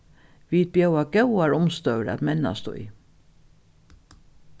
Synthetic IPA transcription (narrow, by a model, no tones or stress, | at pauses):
ʋiːd̪̚bjœwaɡɛwaɹʊmst̪œwɾæ̰t̪mɛna̰st̪ʊ̰j